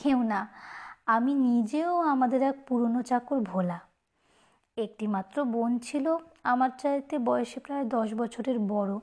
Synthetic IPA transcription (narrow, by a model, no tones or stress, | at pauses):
kewnaaminid͡ʑeoamad̪eɾɛk̚puɾonot͡ɕakoɾbʱola | ek̚ʈimat̪ːɾobont͡ɕʰiloamaɾt͡ɕajt̪ebɔjoʃepɾaed̪ɔʃbɔt͡ɕʰoɾeɾbɔɽo